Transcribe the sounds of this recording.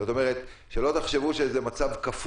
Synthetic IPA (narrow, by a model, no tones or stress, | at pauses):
ot̪o̞meʁet̪ʃelo̞t̪aχʃevuʃezemat͡savkaf